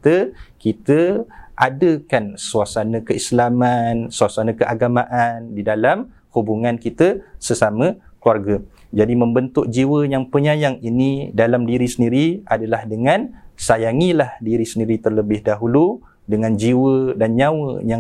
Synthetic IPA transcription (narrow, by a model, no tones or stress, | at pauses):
t̪əkit̪əʔadəkansuasanə̃kəislamansuasanə̃kəʔaɡamãʔandidalam | hubuŋãnkit̪əsəsamə̃ | kluarɡə | d͡ʒadimə̃mbənt̪ʊk̚d͡ʒiwəjaŋpəɲajaŋinidalamdiɾisəndiɾiadalahdəŋãnsajaŋilahdiɾisəndiɾit̪ərləbɪhdaɦulu | dəŋãnd͡ʒiwədanɲawə̰ja